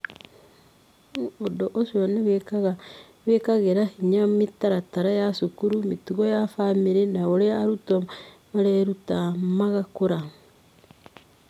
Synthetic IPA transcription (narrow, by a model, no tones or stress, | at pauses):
odoʔoʃianeeaɣa | βekaɣeɾahiɲamitaɾataɾajasukuɾumitiɣojafamiɾenaoɾeaɾutomaɾeɾutamaɣakoɾa